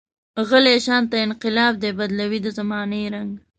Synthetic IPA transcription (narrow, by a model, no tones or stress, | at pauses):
ɣəleʃɑnt̪aɪnqɪlɑb̚d̪ebad̪lawid̪əzamɑnejɾaŋɡ